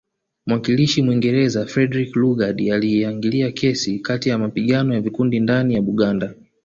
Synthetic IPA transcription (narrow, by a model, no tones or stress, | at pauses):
mwakiliʃimwiŋɡɛɾɛzafɾɛdɾikluɡaɗialiaŋɡiliakʰɛsikatijamapiɠanɔjavikundindanijaɓuɠanda